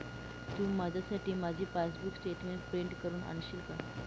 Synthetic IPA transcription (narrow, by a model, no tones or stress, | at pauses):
t̪ũːmad͡ʑʱasaʈʰiːmad͡ʑʱiːfasbuksʈeʈmeɳʈpɾeɳʈkəɾuːna̰nɕilka